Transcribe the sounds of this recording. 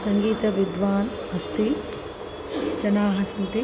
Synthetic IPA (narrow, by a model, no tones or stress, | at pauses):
sɐŋɡiːt̪ɐʋid̪ʋaːn | ɦɐst̪i | d͡ʒɐnaːɦɐsɐnt̪i